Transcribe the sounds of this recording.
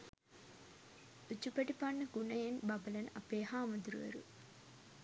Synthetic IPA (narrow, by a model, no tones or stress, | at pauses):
ut͡ʃːupɐʈipanːɐkunɐjɐnbɐbɐlɐnɐ̰peːɦaːmɐd̪ɾuɐ̰ɾṵ